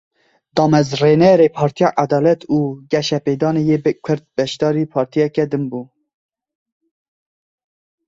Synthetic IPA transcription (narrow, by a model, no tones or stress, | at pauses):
d̪ɑːmɛzrenɛɾepʰɑːɾt̪ʰijɑʔad̪ɑːlɛt̪ʰuːɡɛʃɛpeːd̪ɑːnejeːkʰʊɾd̪̚bɛʃd̪ɑːɾipʰɑːɾt̪ʰijɛkɛd̪ɨnbuː